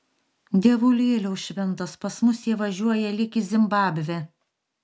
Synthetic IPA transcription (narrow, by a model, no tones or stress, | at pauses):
d̪ʲiɛʋʊlʲeːlʲɛʊʃʲʋʲɛnt̪ɐspɐsmʊsjiːʋɐʒʲuɔjɛlʲɪkʲɪzʲɪmbɑːbʲʋʲɛ